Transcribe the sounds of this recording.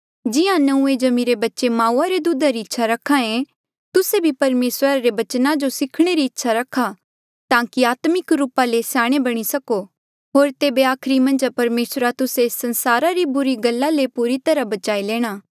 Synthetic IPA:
d͡ʒɪãnɐũed͡ʒɐmiɾebɐtːʃemãːuːaɾed̪ud̪aɾiɪtːʃʰaɾɐkʰãẽ | t̪ʊsebʱipɐɾmeːsəɾaɾebɐt͡ʃnad͡ʒosɪkʰɽ̃eɾiɪtːʃʰaɾɐkʰːa | t̪ãːkiaːt̪mɪkɾuːpalesaːɽ̃ebɐɽ̃isɐko | ɦoːɾt̪eːbeaːkʰɾimɐ̃nd͡ʒpɐɾmeːsɾat̪ʊsesɐ̃nsaːɾaɾibʊɾiɡɐlːalepuɾit̪ɐɾabɐt͡ʃaːileːɽ̃aː

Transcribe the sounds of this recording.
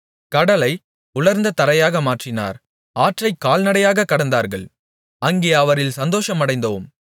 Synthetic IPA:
kɐɽɐlɐɪ | ʊɭɐɾnd̪ɐt̪ɐɾɐjaːɣɐmaːʈrɪna̰ːɾ | aːʈrɐɪkːaːlnɐɽɐjaːɣɐkːɐɽɐnd̪aːɾɣɐɭ | ɐŋɡejɐɐʋɐɾɪlsɐnd̪oːʂɐmɐɽɐɪnd̪ɐʋɯm

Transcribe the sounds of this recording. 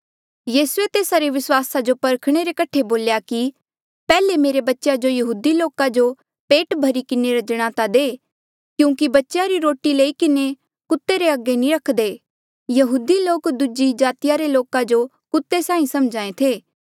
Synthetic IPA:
jiːsuet̪eːsaɾeʋɪswaːsad͡ʒopɐɾkʰɽ̃eɾekɐʈʰːeboːljaki | pɛːlemeːɾebɐtːʃjad͡ʒojɐɦuːd̪iloːkad͡ʒo | peːʈbʱɐɾikɪneɾɐd͡ʒɽ̃at̪ad̪eː | kjũːkibɐtːʃjaɾiɾoːʈileikɪne | kʊt̪ːeɾeɐɡːenĩɾɐkʰd̪eː | jɐɦuːd̪iloːkd̪ud͡ʒid͡ʒaːt̪ɪjaɾeloːkãd͡ʒo | kʊt̪ːesãːĩsɐmd͡ʒaːẽt̪ʰeː

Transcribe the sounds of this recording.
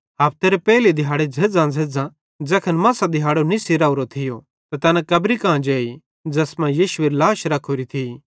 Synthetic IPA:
ɦɐːp̚t̪eɾepɛːlid̪ʱɪɦaːɽed͡zʱed͡zãd͡zʱeːd͡zã | d͡zɐkʰənmɐ̃ːsad̪ʱɪɦaːɽonisiɾaːuɾot̪ʰɪjo | t̪at̪ɐːnãkɐbɾikãːd͡ʒeːi | d͡zɐsmãjiːʃʊeɾlaːʃɾɐkʰoɾit̪ʰi

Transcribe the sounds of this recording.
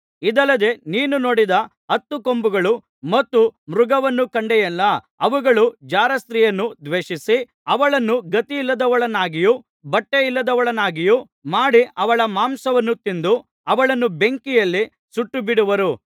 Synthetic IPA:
id̪ɐlːɐd̪e̞niːnuno̞ːɽid̪ɐ | ɦɐt̪ːukombuɡɐɭu | mɐt̪ːumɾuɡɐʋɐnːukɐɳɖɛjɛlːɐ | ɐʋuɡɐɭud͡ʒaːɾɐst̪ɾiːjɐnːud̪ʋeːʂisi | ɐʋɐɭɐnːuɡɐt̪iːlːɐd̪ɐʋɐɭɐnaːɡiju | bɐʈːeilːɐd̪ɐʋɐɭɐnaːɡiju | maːɽiʔɐʋɐɭɐmaːmsɐʋɐnːut̪ind̪u | ɐʋɐɭɐnːube̞ŋkijɐlːi | suʈːubiɽuʋɐɾu

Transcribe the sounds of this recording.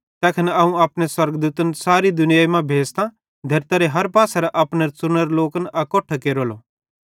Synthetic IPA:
t̪ɛːkʰənɐũaːpɽ̃eswɐɾɡd̪uːt̪ənsaːɾid̪ʊnɪjaːimãbʱeːst̪ã | d̪ʱɐɾt̪ɐɾeɦɐɾpaːsɛɾɛʔaːpneɾt͡sʊñəɾloːkənʔɐkɔʈʰəkeːɾolo

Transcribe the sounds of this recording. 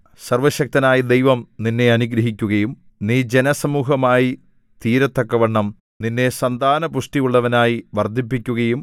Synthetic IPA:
sɐrʋɐɕɐk̚t̪ɐnaːjid̪ejʋɐmninːe̞ɐnuɡɾɐɦikʲːuɣɐjum | niːd͡ʑe̞nɐsɐmuːɦɐmaːji | t̪iːɾɐt̪ːɐkːɐʋɐɳːɐm | ninːe̞sɐnd̪ʱaːnɐpuʂʈijuɭːɐʋɐnaːjiʋɐrd̪ʱipːikʲːuɣɐjum

